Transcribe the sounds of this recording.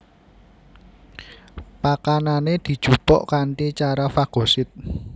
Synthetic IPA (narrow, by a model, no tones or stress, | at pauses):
pakananed̪̥i̤d̥ʒ̥ṳpɔ̰ʔkaɳʈit͡ʃaɾafaɡ̥o̤sɪt̪̚